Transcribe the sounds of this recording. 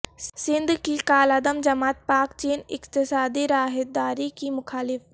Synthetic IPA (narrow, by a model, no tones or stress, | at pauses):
sɪ̃nd̪ʱkikaːlɐd̪əmd͡ʒɐmaːt̪̚paːkt͡ʃeːnɪkt̪ɪsaːd̪iɾaːɦɪd̪aːɾikimʊkʰaːlɪf